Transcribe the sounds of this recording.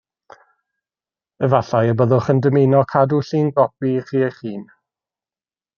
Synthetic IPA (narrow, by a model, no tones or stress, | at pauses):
əvaɬajəbəðʊχəndəmenɔkʰaduɬiːnɡɔpiχiːəχiːn